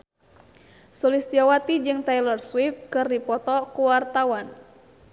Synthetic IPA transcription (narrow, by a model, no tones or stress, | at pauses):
sɔlist̪iawat̪id͡ʒɨŋt̪ajlɔrswif̚kɨrdipɔt̪ɔkuwart̪awan